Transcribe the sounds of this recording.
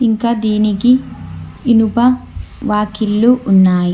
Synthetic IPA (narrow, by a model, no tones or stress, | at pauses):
iŋkad̪iːnikiː | nubɐʋaːkilːuʔːnːaːji